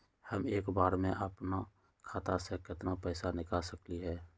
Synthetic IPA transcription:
həmeːkbaːɾmẽʔəpna | kʰaːt̪asekɪt̪napɛːsanɪkasəkliɦɛː

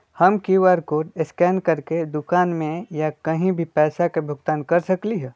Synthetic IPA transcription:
hɐmkiwaːɾkoːʈɪskɛːnkɐɾked̪ʊkaːnmẽjakɐɦĩbʱipɛːsakebʱʊɡt̪aːnkɐɾsɐkliɦɛː

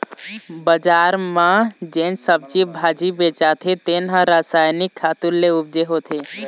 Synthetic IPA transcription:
bəd͡ʒaɾmãd͡ʒensəb̚t͡ʃibʱad͡ʒibet͡ʃat̪ʰit̪enɦãɾasajnikʰːat̪ulleub̚d͡ʒeɦot̪ʰe

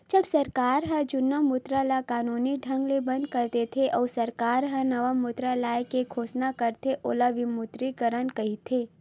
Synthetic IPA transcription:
d͡ʒɐbsɐɾkaːɾɦəd͡ʒʊnːəmʊt̪ɾalakaːnuniɖʱɐ̃ŋɡlebɐ̃nd̪̚kɐɾt̪et̪ʰeʔɔːsɐɾkaːɾɦənɐʋamʊt̪ɾalaːjekekʰoːsnakəɾt̪ʰeʔo̰ːlaʋimʊt̪ɾikəɾənkɐɦit̪ʰe

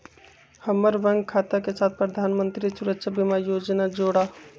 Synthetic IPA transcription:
həmːəɾʋəŋɡkʰat̪akesat̪̚ʰpɾəd̪ʱanmənt̪ɾisuɾəkʃabimajod͡ʒnad͡ʒoɽa

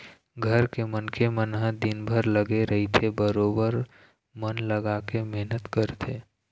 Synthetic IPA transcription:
ɡʱəɾkemənkemənɦə̃d̪ɪnbʱəɾləɡeɾəɦit̪ʰebəɾoːbəɾ | mənləɡakemeɦnət̪kəɾt̪ʰeː

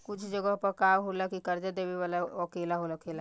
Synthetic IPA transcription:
kʊt͡ʃʰd͡ʒəɡəɦpəkaːmɦolakikəɾd͡ʒad̪eːbeʋaːlaəkeːlaɦolakeːla

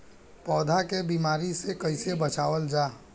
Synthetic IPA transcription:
pɔːd̪ʱakebiːmaːɾisekɐɪsebət͡ʃaːʋəld͡ʒaː

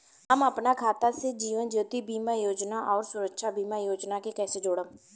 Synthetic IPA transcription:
əməpnakʰaːt̪ased͡ʒiːʋənd͡ʒoːt̪ibiːmajoːd͡ʒnaʔɔːɾsʊɾəkʃaːbiːmajoːd͡ʒnakekɛːsed͡ʒoːɽə

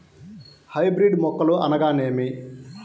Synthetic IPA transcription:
hɐjbɾiɖmɔkːɐluʔɐ̰nɐɡaːneːmi

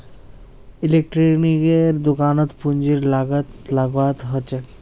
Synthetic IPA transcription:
ilek̚ʈɾinikeɾd̪okanot̪pund͡ʑiɾlaɡat̪laɡat̪ɦot͡ɕʰe

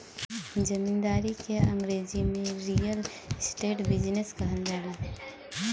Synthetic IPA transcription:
d͡ʒəmind̪aːɾikeəŋɡɾeːd͡ʒimeɾijəl | sʈeːʈbid͡ʒneskəɦənd̪ala

